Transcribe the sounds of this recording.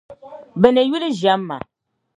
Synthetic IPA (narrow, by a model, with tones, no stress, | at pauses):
bɛ˨ne˨ju˦li˦ʒa˨˦mːa̰˨